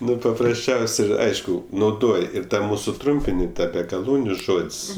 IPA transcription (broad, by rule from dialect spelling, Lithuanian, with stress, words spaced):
ˈnʊ pɐprɐsʲˈt͡ʃʲɛʊsʲ ˈɪr ˈɐɪʃkʊ nɐʊˈdoːj ˈɪr tɐ ˈmuːsʊ ˈtrʊmʲpʲɪnʲɪ ˈtɑː bʲɛ ɡɐˈlˠuːnʲʊ ˈʒoːtʲsʲ